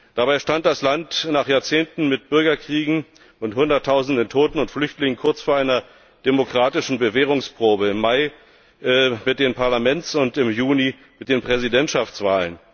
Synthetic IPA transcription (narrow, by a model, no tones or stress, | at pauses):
d̥abaɪʃtant̚d̥aslantnaːχjaːɐt͡seːntn̩mɪt̚b̥ʏɐɡɐkʁ̥iːɡŋ̩ | ʔʊnthʊndɐtʰːaʊzn̩dəntʰoːtn̩ʊntflʏçtlɪŋənkʰʊɐt͡sfoːɐʔaɪnɐ | d̥emokʁ̥aːtɪʃn̩bəveːʁ̞ʊŋspʁ̥oːbəɪmːaɪ | mɪt̚d̥eːnpʰaɐlamɛnt͡sʊntɪmjuːni | mɪt̚d̥eːnpʁ̥ɛzidɛntʃaft͡sv̥aːlən